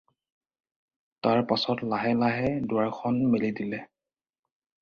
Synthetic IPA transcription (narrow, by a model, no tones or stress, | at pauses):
taɹpasɔtlaɦɛlaɦɛdʊaɹkʰɔnmelidilɛ